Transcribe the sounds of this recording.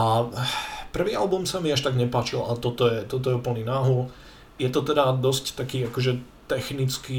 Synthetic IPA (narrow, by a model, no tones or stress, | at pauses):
a | pr̩ʋiːa̰lbumsamiaʃt̪aɡɲɛpaːt͡ʃilʔa̰t̪ɔt̪ɔjɛt̪ɔt̪ɔjɛuːpl̩ɲinaːɦu | jɛt̪ɔt̪ɛd̪ad̪ɔsct̪akiːakɔʒɛt̪ɛxnit͡skiː